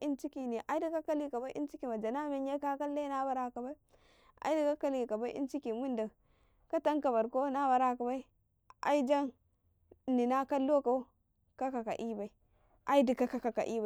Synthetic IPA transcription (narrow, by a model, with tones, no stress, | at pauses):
i˦nt͡ʃi˦ki˨ni˨ʔa˨i˦di˦ka˦ka˦li˦ka˨ba˦ʔḭ˦nt͡ʃi˦ki˨ma˨d͡ʒa˨na˦me˦ɲja˦ka˦ka˦lːa˦na˦ba˨ɾa˦ka˨ba˦i˦ | a̰˨˦i˦di˨ka˦ka˦li˨ka˨ba˦ʔḭ˦nt͡ʃi˦ki˨mu˦nda˨ | ka˦ta˦ŋka˨ba˨ɾko˦na˦ba˨ɾa˦˨ka˨ba˦i˦ | a̰˦i˦d͡ʒa˦ŋ | ni˨na˦ka˦lːo˦ka˨˦ | ka˦ka˨ka̰˨ʔi˦ba˨i˨ | ʔa˦i˦di˨ka˦ka˨ka˨ka̰˨ʔi˦ba˨